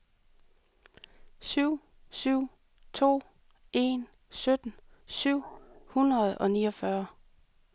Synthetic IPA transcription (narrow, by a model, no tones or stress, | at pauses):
syʊ̰ | syʊ̰ | t͡sʰo̝̰ː | ʔe̝̰n | sød̥n̩syʊ̰hunʁɐð̞̩ˠɒ̽nḭːɒfɶɐ